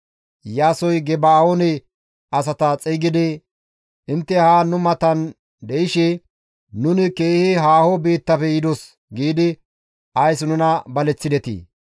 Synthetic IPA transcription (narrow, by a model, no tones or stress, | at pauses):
jaːsɔjɡɛbaːonɛ | ʔɐsɐt̪ɐt͡sʼɛɡɪd̪ɪ | ɪnt̪ːɛhaːnʊmɐt̪ɐn | d̪ɛjɪʃɪ | nʊnɪke̞ːhɪɦaːhɔbiːt̪ːɐfɛjɪd̪ɔs | ɡiːd̪ɪ | ɐjsnʊnɐbɐlɛt͡sːɪd̪ɛt̪ḭː